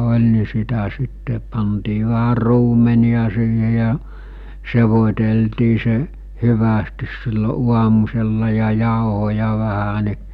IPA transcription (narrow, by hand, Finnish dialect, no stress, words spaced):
olʲ ni sitæ sitːe pɑntiː ʋæhær̆ ruːmeniɑ siːhe jɑ seʋotʲeltiː se hyʋæstis silːo uɑmuselːɑ jɑ jɑˑohojɑ ʋæhæ ni